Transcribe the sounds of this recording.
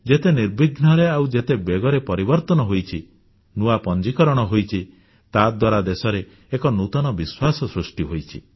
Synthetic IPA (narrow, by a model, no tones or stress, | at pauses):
d͡ʒet̪eniɾbiɡnɔɾeawd͡ʒet̪ebeɡɔɾepɔɾibɔɾt̪ɔnɔɦojt͡ʃʰi | nuapɔnd͡ʒikɔɾɔɽ̃ɔɦojt͡ʃʰi | t̪ad̪waɾad̪esɔɾeː | kɔnut̪ɔnɔbiswasɔsɾusʈiɦojt͡ʃʰi